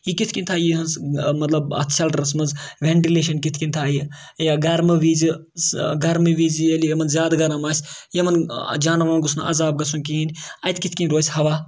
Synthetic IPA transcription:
jikit̪ʰʲkʲinʲt̪ʰaːjiɦɐnzmɐt̪lɐbɐ̰t̪ʰʃɐlʈɐɾɐs̬mɐnzʋʲeɳʈileːʃ̬ɐnkit̪ʰkinʲt̪ʰaːji | jaːɡɐɾmɨʋiːzi | ɡɐɾmɨʋiːzijelʲijɐmɐnzʲjaːd̪ɡɐɾɐmaːsʲjɐmɐnd͡ʒaːnɐʋaːɡusna̰ɐ̰zaːb̚ɡɐsunkiːnʲɐjt̪ʰkit̪ʰkinʲɾoːsʲhɐʋaː

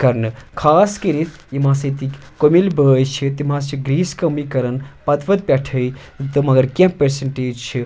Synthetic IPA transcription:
kɐɾnɨkʰaːskəɾit̪ʰimãːsɐt̪ikʲkomilbəjt͡ʃʰit̪imãst͡ʃʰiɡɾiːskɐmikɐɾɐnpɐt̪ʋɐt̪̚pʲɛʈʰəi | t̪ɨmɐɡɐɾkẽpːeɾseɳʈeːd͡ʒt͡ʃʰi

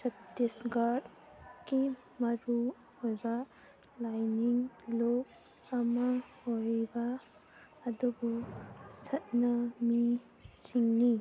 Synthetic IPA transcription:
sɐtːesɡaɾd | ki | mɐɾu | hojba | lajniŋlo | amahojbaː | dubɔsɐt̚nami | siŋni

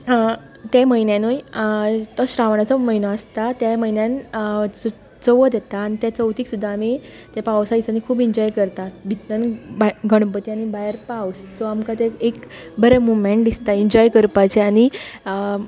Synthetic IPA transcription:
t̪jaməjnjãnoj | t̪əɕɾaʋɳ̃at͡səməjnəast̪at̪jaməjnjãn | t͡səʋəd̪jɛt̪aːnit̪jat͡səwt̪iːksud̪ʱːaːmi | t̪apaʋsaisanikʰuːbiɲd͡ʑɔjkəɾt̪abʱit̪nənbaɡəɽ̃pət̪iañibajəɾpawsːoamkat̪eekbəɾemumeɳʈ̚d̪ist̪aiɲd͡ʑɔjkəɾpat͡ɕeaɽ̃iə

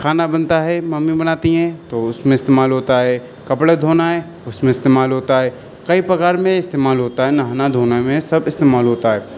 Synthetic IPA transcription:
kʰaːnabɐnt̪aɦɛmɐmːibɐnaːt̪iɦɛ̃t̪oʊsmẽɪst̪eːmaːlɦoːt̪aɦɛ | kɐpɽed̪ʱoːnaɦɛ | ʊsmẽɪst̪eːmaːlɦoːt̪aɦɛ | kɐipɾɐkaːɾmẽɪst̪eːmaːlɦoːt̪aɦɛnaɦnad̪ʱoːnamẽsɐbɪst̪eːmaːlɦoːt̪aɦɛː

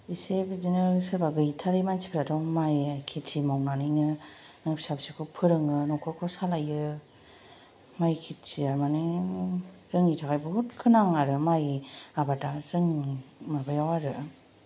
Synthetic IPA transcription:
isebizinɯsɯɾbaɡɯitʰaɾɯjmansʰi̥pʰɾatɔwmajakʰitsimawnanɯjnɯ | nɯpsabsikʰupʰɯɾɯŋɯnɔkʰɔkʰɔsalajɯ | majkʰit̚siamani | z̥ɯŋitʰakajbɯɦutkʰɯnaŋaɾɯmajabadazɯŋmabajawaɾɯ

